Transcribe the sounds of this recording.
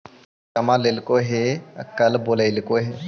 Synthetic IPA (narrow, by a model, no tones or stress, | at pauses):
kɐmãlelkoɦekɐlboːləɪlkoɦe